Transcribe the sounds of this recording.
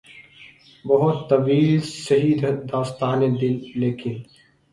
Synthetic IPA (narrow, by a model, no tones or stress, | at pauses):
bɐɦʊt̪ːɐbiːlsɐɦiːd̪d̪aːst̪aːned̪ɪlːeːkʰĩn